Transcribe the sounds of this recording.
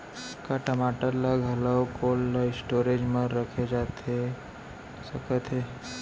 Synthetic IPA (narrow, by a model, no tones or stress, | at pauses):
kaʈəmaːʈəɾlaɡʱələwkoːlːaɪsʈoːɾed͡ʒməɾːəkʰed͡ʒat̪e | səkət̪ɦe